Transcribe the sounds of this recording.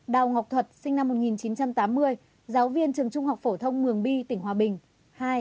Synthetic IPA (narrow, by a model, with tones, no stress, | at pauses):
ɗa˨˩wŋa˨˩wk͡p̚t̪ʰwə˨˩t̚sï˧ŋna˧mːo˨˩t̚ŋi˨˩nt͡ɕi˨˦nt͡ɕa˧mt̪aː˨˦mːɨ˧əj | zaː˨˦wvi˧ənt͡ɕɨ˨˩əŋt͡ɕʊ˧ŋ͡mha˨˩wk͡p̚fo˧˩t̪ʰə˧wŋ͡mmɨ˨˩əŋɓi˧t̪ï˧˩ŋ̟ɦwaː˨˩ɓï˨˩ŋ̟ | haː˧j